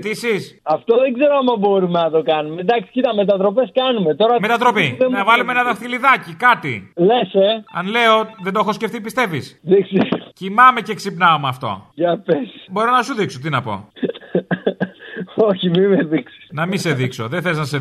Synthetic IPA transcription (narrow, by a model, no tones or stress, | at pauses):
t̪isisɐft̪o̞ðe̞ɡze̞ɾoɐmɐbo̞ɾumenɐt̪o̞kɐnumed̪ɐksi̥cit̪ɐme̞t̪ɐt̪ɾope̞skɐnume̞t̪o̞ɾɐmet̪ɐt̪ɾo̞pienɐvɐlumeenɐðɐfθiliðɐcikɐt̪ḭle̞seɐnle̞o̞ðeno̞xo̞sce̞ft̪ipist̪e̞visðiksiscimɐme̞ceksipnɐomeɐft̪o̞̰ʝɐpesbo̞ɾo̞nɐsuðikso̞t̪̬inɐpo̞̰ | oçimimeðiksi̥nɐmise̞ðikso̞̰ðeθeiznɐse